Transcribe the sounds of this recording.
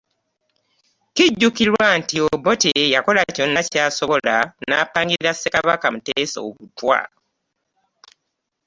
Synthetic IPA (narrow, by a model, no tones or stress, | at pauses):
kiɟːukiɾwantiobotejako̞laco̞nːacaːsoβolanaːpaːŋɡiɾiɾasːekaβakamuteːso̰ːβutwa̰